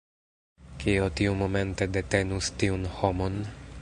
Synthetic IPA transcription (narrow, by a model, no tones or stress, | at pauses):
kʰiot̪iumome̞nt̪e̞d̪et̪enust̪iunhomon